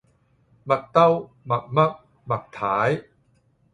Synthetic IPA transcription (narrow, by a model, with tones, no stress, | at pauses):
mɐ˨˩k̚t̪ɐ˥w | mɐ˨˩k̚mɐ˦˥k̚ | mɐ˨k̚t̪ʰaː˨˦j